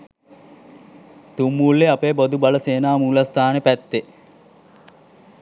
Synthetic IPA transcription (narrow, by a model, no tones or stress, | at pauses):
t̪umːuːlːeapeːbod̪ubaləseːnaːmuːlast̪aːnəpæt̪ːe